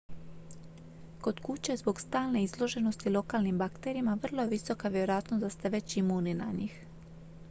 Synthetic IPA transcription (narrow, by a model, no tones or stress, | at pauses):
ko̞d̪kut͡ɕezbo̞ɡst̪aːlne̞izlˠo̞ʒe̞no̞st̪ilo̞kaːlnimbakt̪eɾiimaʋr̩lˠo̞jeʋiso̞kaʋjeɾo̞jaːt̪nosd̪ast̪eʋe̞t͡ɕimunina̰ɲix